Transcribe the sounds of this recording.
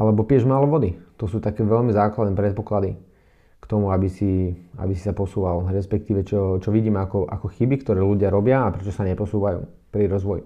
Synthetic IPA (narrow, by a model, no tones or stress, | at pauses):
ʔalɛbɔpɪɛʒmaːlɔʋɔd̪it̪ɔsuːt̪akɛːʋɛʎmizaːklad̪nɛːpɾɛt̪̚pɔklad̪i | kt̪ɔmuabisia̰bisi̥sapɔsuːʋalɾɛspɛk̚t̪iːʋɛt͡ʃɔt͡ʃɔʋiɟiːmɛakɔʔa̰kɔxibikt̪ɔɾɛːluɟɪaɾɔbɪaːpɾɛt͡ʃɔsaɲɛpɔsuːʋajṵː | pɾiɾɔzʋɔjḭ